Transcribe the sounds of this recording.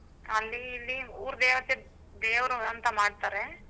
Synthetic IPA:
ɐlːiːlːiuːɾd̪eːʋɐse | d̪eːʋɾuɐnt̪ɐmaːɖt̪aːɾe

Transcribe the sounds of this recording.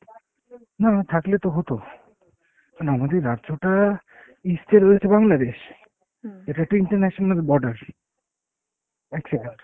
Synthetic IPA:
nat̪ʰaklet̪oɦot̪o | manamad̪eɾadd͡ʑoʈa | ist̪ʰeɾojet͡ɕʰebaŋlad̪eʃ | eʈaek̚ʈuiɳʈaɾnɛʃonalbɔɾɖaɾ | ɛkseɖeɳʈ

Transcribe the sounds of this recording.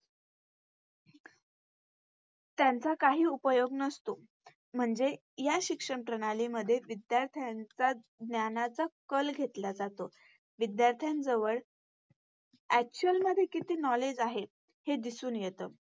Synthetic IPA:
t̪jant͡sakaɦiːupəjoɡnəst̪o | m̤əɳd͡ze | jaɕikʂəɳpɾəñaliməd̪ʱːjeʋid̪jaɾt̪ʰjant͡sa | d̪njanat͡sakəlɡʱet̪lad͡zat̪o | ʋid̪jaɾt̪ʰjãnd͡zəʋəɭ | æk̚t͡ɕuəlməd̪ʱːjekit̪iːnɔled͡ʑaɦe | hed̪isuːnjet̪əː

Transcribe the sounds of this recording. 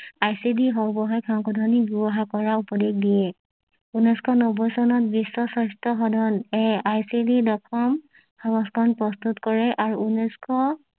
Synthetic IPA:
ajsidiɦɔɹbɔɦɔjkʰawkɔdʱɔnibubɔɦakɔɹaupɔdeɡ̚dijɛ | unɔskʰɔnɔbɔjsɔnɔt̚bisːɔsɔstɔɦɔdʱɔnɛajsididɔkʰɔm | hʰɔbɔskɔnpɹɔst̪utkɔɹɛʔaɹuunɔskʰɔ

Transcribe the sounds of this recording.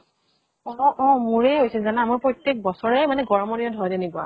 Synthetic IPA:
ɔɔʔɔ̃muɹɛɦojsilzanaamɔɹpɹɔjtjek̚bɔsɔɹɛmanɛɡɔɹɔmɔdiɔdʱɔjdɛnekʊa̰

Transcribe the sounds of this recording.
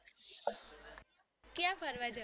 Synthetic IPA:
kjãbʱəɾʋad͡ʒə

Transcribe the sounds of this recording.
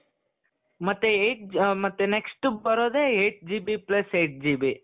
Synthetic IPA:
mɐt̪ːjeeːʈ̚mɐt̪ːjeneksʈubɐɾoːd̪eeːʈ̚d͡ʒibiplɐseːʈ̚d͡ʒibi

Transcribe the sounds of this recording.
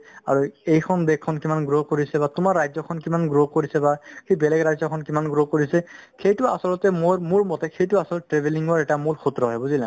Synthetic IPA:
aɹuejkʰɔnbɛkʰːɔnkimanɡɹokoɹisɛbatʊmaɹːajzɔkʰɔnkimanɡɹokoɹisɛbaxejbɛlɛɡɹajzɔkʰɔnkimanɡɹokoɹisɛkʰejtʊa̰sɔlɔtɛmomuɹmɔtɛxʰejtʊasɔlɔtɛtɹebʱeliŋɡɔɹɛtamulxʰutɹɔɦɔjbuzilɛ

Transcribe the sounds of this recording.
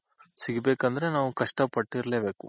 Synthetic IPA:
siɡibeːkɐnd̪ɐɾe̞naːʋukɐʂʈɐpɐʈːiɾleːbe̞ːku

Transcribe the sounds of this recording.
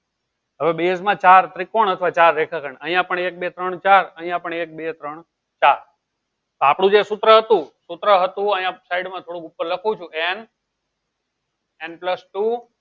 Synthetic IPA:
ɦəʋebesmãt͡ʃaɾt̪ɾikoɳət̪ʰʋat͡ʃaɾːekʰakəɳəɦijãpəɳek̚bet̪ɾəɳt͡ʃaɾəɦĩjãpəɳek̚bet̪ɾəɳ | t͡ʃaɾ | t̪oapɽ̃ũd͡ʒesut̪ɾəɦət̪ũsut̪ɾəɦət̪ũəɦĩãpsaiɽmãt̪ʰoɽũkupːəɾləkʰũt͡ʃʰũʔen | enpləsʈu

